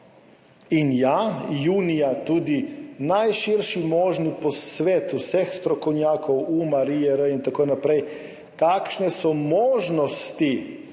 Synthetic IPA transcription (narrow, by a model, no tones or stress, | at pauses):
injajuːnijat̪ud̪inajʃiɾʃimoʒniposʋeːt̪usexst̪ɾokoɲaːkowumaɾiɛɾəint̪akoinapɾej | k̪akʃnesomoʒnost̪i